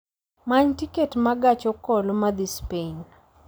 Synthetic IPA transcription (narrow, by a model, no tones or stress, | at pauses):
maɲtiketmaɡat͡ʃɔkɔlɔmad̪ispen